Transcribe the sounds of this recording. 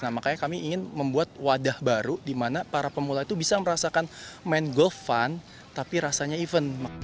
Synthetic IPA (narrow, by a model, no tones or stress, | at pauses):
namakajakamiːŋɪnməmbuat̪̚wadahbaɾudimanapaɾapəmulait̪ubisaməɾasakanmɛnɡɔlfːan | t̪apiɾasaɲaivənma